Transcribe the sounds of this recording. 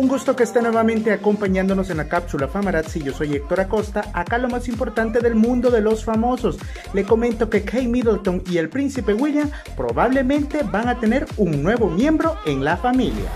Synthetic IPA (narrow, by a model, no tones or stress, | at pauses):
uŋɡust̪o̞keːst̪enwe̞βamẽ̞nt̪e̞ako̞mpaɲãnd̪o̞no̞se̞nlakapsulafamaɾat̪siʝoso̞jek̚t̪o̞ɾako̞st̪aakalo̞masimpo̞ɾt̪ant̪e̞ðe̞lmũnd̪o̞ðe̞lo̞sfamo̞so̞s | le̞ko̞mẽ̞nt̪o̞ke̞kʰejmiðelt̪o̞ŋie̞lpɾinsipe̞ɣwiljam | pɾo̞̰βaβle̞mẽ̞nt̪e̞baŋat̪e̞ne̞ɾuŋnwe̞βo̞mje̞mbɾo̞e̞ŋlafamilja̰